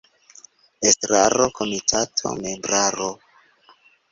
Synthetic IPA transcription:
estɾaɾo̞kʰo̞mitʰatʰo̞̰me̞mbɾaɾo

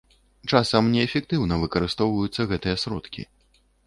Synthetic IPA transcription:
t͡ʂasɐmnʲɛːfʲɛk̚t̪ɨwnɐvɨkɐɾɨst̪ɔwvɐjut̪sːɐɣɛt̪ɨjɐsɾɔ̰t̪kʲḭ

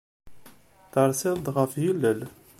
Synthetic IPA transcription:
θəɾˤsɪðˤd̪ʁəfjilːəl

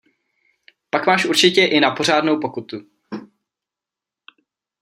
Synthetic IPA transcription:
pakmaːʃʔuɾt͡ʃɪcɛʔɪnapo̞r̝aːdnowpo̞kut̪u

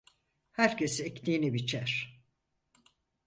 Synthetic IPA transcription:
hæɾcesect̪ʰiːnibit͡ʃʰæɾ̥

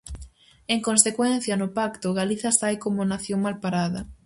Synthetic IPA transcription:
eŋkonsekwɛn̟θjɐnʊpakt̪ʊɣaliθasajkomonaθjoŋmalpaɾaðɐ

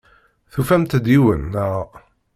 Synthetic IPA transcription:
θufæmt̪d̪iwə̰nːæ

